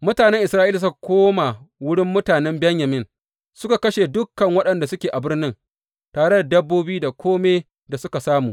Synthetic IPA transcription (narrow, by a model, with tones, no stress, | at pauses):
mʊ˦taː˨nɛ˦ŋʔɪ˨sɾaː˦ʔiː˦la˨s̬ʊ˦ka˨kʷoː˦ma˨wʊ˦ɽɪ˦mːʊ˦taː˨nɛ˦mbɛ˦ɲjɐ˨mɪ˦n | sʊ˦ka˨kɐ˦ʃe˨dʊ˦kːɐ˨ŋwɐ˦ɗɐ˨nda˨sʊ˦kʲeː˨ʔa˨bɪ˦rnɪ˦ŋ | taː˨ɽe˦da˨dɐ˦bːoː˦biː˦da˨kʷoː˦meː˦ | da˨sʊ˦ka˨saː˦muː˨